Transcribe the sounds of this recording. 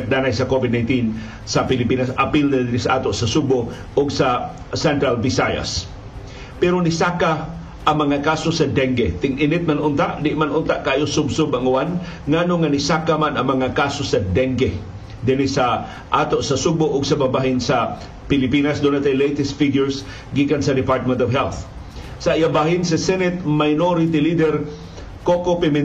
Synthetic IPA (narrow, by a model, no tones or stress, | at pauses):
k̪̚naːnajsɐkovɪd̪̚najnt̪in | sapɪlɪpiːnasapilnad̪ɪnɪsaʔaːt̪oʔsasubo | ʊɡsa | sɛnt̪ɾalbɪsaja̰s | pɛɾonɪsaːka | ʔaŋmɐŋakasosad̪ɛŋɡet̪ɪŋʔɪnɪt̪̚manʔʊnt̪aʔd̪ɪʔmanʊnt̪aʔkaʔaːjosʊbsʊbaŋʊwan | ŋanoŋanɪsakamanɐŋmaŋakasosad̪ɛŋɡe | d̪ɪnɪsa | ʔaːt̪oʔsasʊɡ̚bʊʔʊɡsababaɦɪnsa | pɪlɪpinasd̪onat̪ajlejt̪ɛst̪fiɡjʊɹs | ɡikansɐd̪ɪpaɹt̪̚mɛnt̪ɔvɦɛlθ | saijabaɦɪnsasɛnɛt̪̚majnoɾɪt̪ilid̪ɛɾ | kokopɪmɪ